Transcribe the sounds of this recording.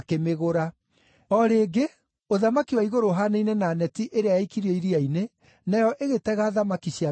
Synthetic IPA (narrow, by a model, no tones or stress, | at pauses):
kemeɣoɾa | ɔɾeːɡe | oðamakiwaiɣoɾoɦaneinɛnaːnɛtiʔeɾeajaikiɾiɔiɾiaine | najɔʔeɣetɛɣaːðamakiɕia